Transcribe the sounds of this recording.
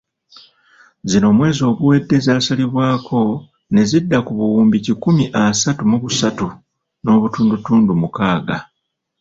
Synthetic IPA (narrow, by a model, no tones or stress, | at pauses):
zino̞ːmwe̞ːzo̞ːβuwe̞dːe̞zaːsaliβwaːkʰo̞ | ne̞zidːakuβuwuːmbicikumiʔasatumuβusatu | no̞ːβutuːndutuːndumukaːɡa